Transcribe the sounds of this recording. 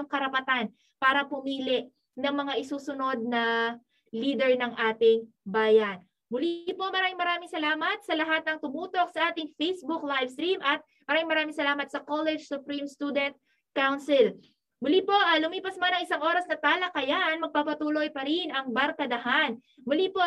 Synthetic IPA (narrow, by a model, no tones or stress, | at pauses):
ŋkɐɾɐpɐt̪an | paːɾɐpʊmiːlɪʔ | nɐŋmɐŋaʔɪsuːsʊno̞d̪̚nɐ | liːd̪ɛɹnɐŋʔaːt̪ɪŋbaːjɐn | mʊlipo̞mɐɾaːmɪŋmɐɾaːmɪŋsɐlaːmɐt̪̚sɐlɐɦat̪̚nɐŋt̪ʊmuːt̪o̞k̚sɐʔaːt̪ɪŋfejsbʊklajvst̪ɾimʔɐt̪̚mɐɾaːmɪŋmɐɾaːmɪŋsɐlaːmɐt̪sɐkolɛd͡ʒsʊpɾimst̪uːd̪ɛnt̪̚ | kawnsɪl | mʊlipo̞ʔaːlʊmiːpɐsmɐnɐŋɪsaŋʔo̞ːɾɐsnɐt̪aːlɐkɐjanmɐɡ̚paːpɐt̪uːlojpɐɾɪnɐŋbɐɾkɐd̪ɐɦan | mʊlipo